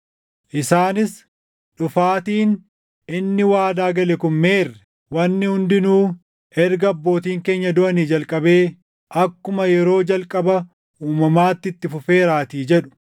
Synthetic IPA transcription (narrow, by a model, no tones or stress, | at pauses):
ʔɪsaːnɪs | ᶑʊfaːt̪iːn | ɪnːɪwaːd̪aːɡɐlɛkʊnme̞ːrːɛ | wɐnːɪhʊnd̪ɪnuː | ɛɾɡɐɐbːo̞ːt̪iːŋke̞ːɲːɐd̪ʊʔɐniːd͡ʒɐlkʼɐbe̞ː | ʔɐkːʊmɐjɛɾo̞ːd͡ʒɐlkʼɐbɐ | uːmɐmaːt̪ːɪt̪ːɪfʊfeːɾaːt̪iːd͡ʒɛᶑʊ̥